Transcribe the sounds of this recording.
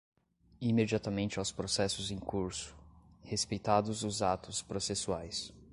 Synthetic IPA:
imed͡ʒiat̪ɐmẽnt͡ʃɪawspɾosɛsʊzẽkuɾsʊ̥hespejt̪ad̪ʊzʊzat̪ʊspɾosesuajs

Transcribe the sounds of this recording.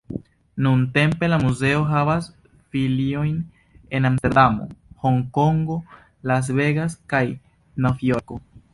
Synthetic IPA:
nunte̞mpe̞lamuze̞o̞ɦavas | filio̞jn | e̞namsteɾdamo̞̰ho̞ŋko̞ŋɡo̞ | las̬ve̞ɡaskaj | nawvioɾko̞

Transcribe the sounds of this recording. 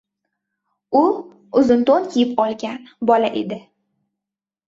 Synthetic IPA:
ʊ | ʊzɪnt̪onkʲʰijɪpɒlˠɡʲanbɒlaʔed̪ɪ

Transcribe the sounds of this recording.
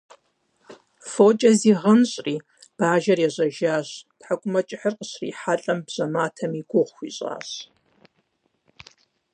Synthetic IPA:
fot͡ʃʼɐziːʁɐnɕʼriː | b̥aːʒɐrjɛʑʷɐʒaːɕd̥ħakʷʼʊmɐt͡ʃʼɪħərqʼəɕrḭːħaɬʼɐmbʑ̥ɐmaːtʰɐmiɡʷʊʁʷxʷḭɕʼa̰ːɕ

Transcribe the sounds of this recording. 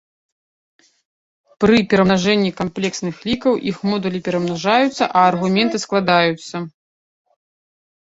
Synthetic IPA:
pɾɨpʲɛɾɐmnaʐɛnʲːikamplʲɛksnɨxlʲikɐwʔixmɔd̪ɐlʲipʲɛɾɐmnaʐajut̪sːɐʔɐːrɣumʲɛnt̪ɨsklˠad̪ajut̪sːɐ

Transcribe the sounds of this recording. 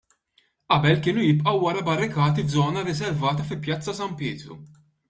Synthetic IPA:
ʔɐbɛlkɪːnujɪpʔɐwːɐɾɐbɐrːɪkɐːt̪ivd͡zɔːnɐɾɪs̬ɛɾvɐːt̪ɐfɪlpjɐt͡sːɐsɐmpɪːt̪ɾṵ

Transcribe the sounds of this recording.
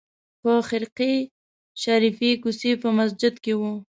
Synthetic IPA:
pəxɪɾqi | ʃaɾifikusipəmas̬d͡ʒɪd̪kewu

